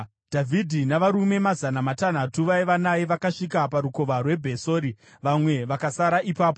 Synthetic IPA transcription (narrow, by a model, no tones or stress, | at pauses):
d̥ʱavʱidʱinaʋaɾume̞mazanamatan̤atuʋaeʋanaiʋakaʂikapaɾuko̞ʋarwe̞bʱe̞soːɾi | ʋamwe̞ʋakasaɾaʔipaːpo